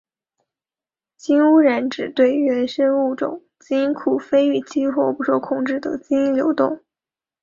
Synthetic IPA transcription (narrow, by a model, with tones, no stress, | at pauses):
t͡ɕi˥nu˥ɻə˧˥nʈ͡ʂɻ̩˨˩t̪we˥˩ɪɥɛ˧˥nʂə˥nu˥˩ʈ͡ʂʊ̰˨˩˦ŋ | t͡ɕi˥kʰu˨˩fe˥ɪy˥˩t͡ɕʰi˥xwɔ˥˩pu˧˥ʂwɔ˥kʰʊ˥˩ŋʈ͡ʂɻ̩˥˩d̪ə̰˩t͡ɕi˥i˥ljo˧˥ʊt̪ʊ˥˩ŋ